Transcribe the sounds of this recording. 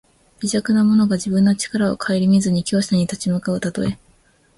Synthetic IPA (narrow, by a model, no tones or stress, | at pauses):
bʲiʑakɯ̟namo̞no̞ɡaʑibɯ̟̃nːot͡ɕi̥kaɾao̞̰kʰaeɾʲimʲizɨɲ̟ikʲo̞ːɕaɲ̟it̪at͡ɕimɯkaot̪at̪o̞e̞